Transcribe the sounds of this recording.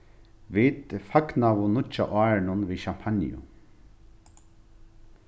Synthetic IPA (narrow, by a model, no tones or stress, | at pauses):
vit̪faknaʋʊnʊt͡ʃːa̰ʔaːɹnʊnviːʃam̥pʰanɪ̰ʊ̰